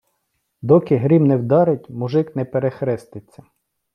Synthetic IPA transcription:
d̪ɔkɪɦɾʲimnɛwd̪ɑɾɪtʲmʊʒɪknɛpeɾexɾɛst̪ɪt͡sʲːɐ

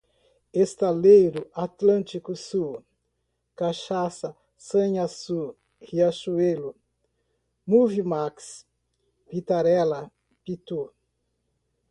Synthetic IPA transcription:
est̪alejɾʊat̪lɐ̃nt͡ʃikʊsu | kaʃasɐ | sɐ̃ɲasu | hiaʃuelʊ | muvimaks | pit̪aɾɛlɐ | pit̪u

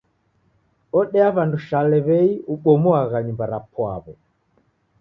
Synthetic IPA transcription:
ɔɗɛaβanduʃalɛβɛiuɓɔmɔaɣaɲumbaɾapwa̰βɔ

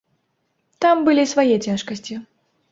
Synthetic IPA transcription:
t̪ambɨlʲisvajɛt͡sʲaʂkɐsʲt͡sʲi

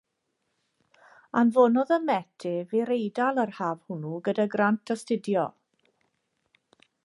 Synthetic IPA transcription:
anvɔːnɔðəmɛtʰɪviɾejdalˠərhaːv̥hʊnuɡədaɡrantʰɔstɪdjɔ

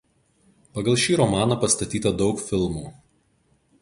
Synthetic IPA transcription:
pɐɡɐlˠʃʲiːɾɔmɑːnɐpɐst̪ɐt̪ʲiːt̪ɐd̪ɒʊkfʲɪlˠmuː

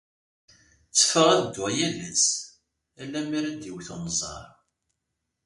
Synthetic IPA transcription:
t͡sːə̥fəʁæðd̪wæjælæs | ælːæmiɾæd̪iwθonzˤɑ̰ɾˤ

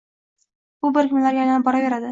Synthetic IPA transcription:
bʊbɪɾkʰʲʊmlaɾɡʲaj̪anbɒɾave̞ɾad̪ɪ

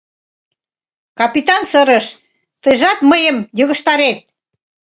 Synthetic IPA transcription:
kɑpit̪ɑnsəɾəʃ | t̪əjʒɑt̪məjəmjəɣə̆ʃt̪ɑɾet̪̚

